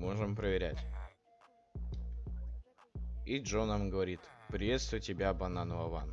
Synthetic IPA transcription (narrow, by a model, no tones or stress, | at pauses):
oʐɨmpɾəvʲɪɾʲætʲ | iʐonəmɡəvɐɾʲit̪pɾʲɪvʲe̞t̪st̪vʊjtʲɪbʲabɐnanʊɐvan